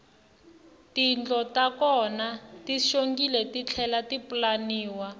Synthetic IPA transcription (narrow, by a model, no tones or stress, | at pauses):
tind͡ɮɔtakɔnatiʃoŋɡilɛtit͡ɬʰɛlatipulaniːwa